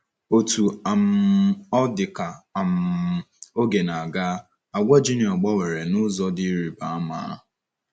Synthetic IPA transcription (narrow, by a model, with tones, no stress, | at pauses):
o˨tu˨a˨m̩˨˦ɔ˦dɪ˨ka˨a˨m̩˨o˦ɡe˨na˨a˨ɡa˦ | a˨ɡʷa˦d͡ʒi˦nɪ˨ɔ˨ɡ͡ba˦we˨ɾe˨nʊ˦zɔ˦dɪ˦ɾi˨ba˨a˦ma̰ː˨˦